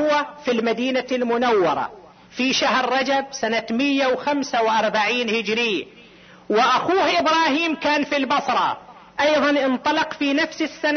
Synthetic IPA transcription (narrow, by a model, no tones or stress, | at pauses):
ʊwːafilmad̪iːnalmʊnawːɑɾˤɑ̰ | fiʃahɾːˤɑd͡ʒab̚sanamɪjːawxamsawʔɑɾˤbaʕiːnhɪd͡ʒɾɪː | wɪʔaxuːhʔɪbɾˤɑːhiːmkaːnfilbɑsˤɾˤɑ̰ | ʔɑjðˤɑnʔɪnt̪ˤɑlɑqfiːnafsɪsːan